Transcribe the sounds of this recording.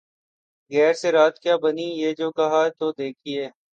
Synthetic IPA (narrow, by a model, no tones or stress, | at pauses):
ɣɛːɾseɾaːt̪̚kjaːbɐnijeːd͡ʒoːkɐɦat̪oːd̪eːkʰieː